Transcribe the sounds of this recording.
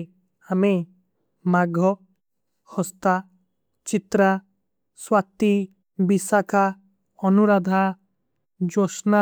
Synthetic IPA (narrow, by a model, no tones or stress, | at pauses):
ame | maɡʱɔ | hɔst̪a | t͡ʃit̪ɾa | swat̪i | bisaka | ɔnuɾad̪ʱa | d͡ʒɔsna